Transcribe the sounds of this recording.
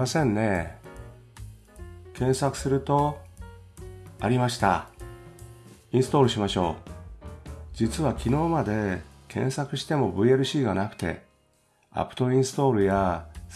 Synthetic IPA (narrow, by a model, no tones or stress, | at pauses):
masẽ̞nːe̞ | kʰẽ̞ɰ̃sakɯ̟̥sɨɾɯ̟t̪o̞ | aɾʲimaɕi̥t̪a̰ | ĩɰ̃sɨ̥t̪o̞ːɾɯ̟ɕimaɕo̞ː | d͡ʑit͡sɨβakʲino̞ːmad̪e̞kʰẽ̞̰ɰ̃sakɯ̟ɕi̥t̪e̞mo̞bɯ̟eɾɯ̟ɕiːɡanakɯ̟̥t̪e̞̰ | a̰pːɯ̥t̪o̞ĩɰ̃sɨ̥t̪o̞ːɾɯ̟ja